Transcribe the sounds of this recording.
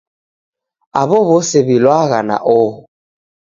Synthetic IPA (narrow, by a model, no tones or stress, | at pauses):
a̰βɔβoseβilwaɣana̰ʔo